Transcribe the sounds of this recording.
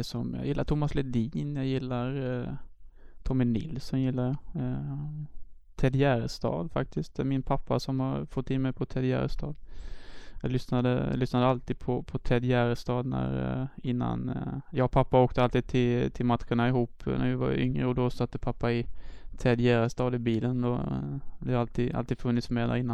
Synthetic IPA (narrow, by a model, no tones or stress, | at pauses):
ɛsɔmjɑ̰jɪlːaʈʰʊmːaslɛd̪iːnjɑjɪlːaɾ | t̪ʰɔmːɪnɪ̰lːsɔmjɪlːaɾ | t̪ʰɛd̪ɪæɾst̪ɑ̰ːd̪fa̰k̚t̪ɪst̪ɛmɪnpʰapːa̰sɔmhaɾfɔt̪ːɪnmɛjpʰɔt̪ʰɛd̪jæ̰ɾst̪ɑːd̪ | jɑɡlʏsnad̪ə̰lʏsnad̪əalt̪iːd̪̥̚pʰɔpʰɔt̪ʰɛd̪ɪjæɾst̪ɑːd̪næ̰ɾɪnːa̰njɑːɡpʰapːaoːkt̪əalt̪iːd̪̚t̪ʰɪlt̪ʰɪlmat̪ɧəɳaɪɦuːpnæ̰ɾvɪva̰ɾʏ̰ŋɾəɔd̪ɔsat̪ːəpʰapːaɪt̪ʰɛd̪jæɾst̪ɑːd̪ɪbiːlənd̪ɔd̪ɛhaɾalt̪iːd̪a̰lt̪iːd̪fɵnːɪt̪smɛd̪æ̰ɾɪnːan